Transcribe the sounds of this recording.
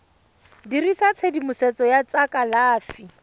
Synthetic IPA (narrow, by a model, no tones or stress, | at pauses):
dirisat͡sʰedimʊsɛt͡sɔjat͡sakʼalaːfi